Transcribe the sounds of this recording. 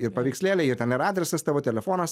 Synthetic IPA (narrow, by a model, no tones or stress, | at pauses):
ɪɾpɐʋʲiːksʲlʲeːlʲɛɪɾt̪ʲɛnɪɾɑːd̪ʲɾʲɛsɐst̪ɑːʋoːt̪ʲɛlʲɛfoːnɐs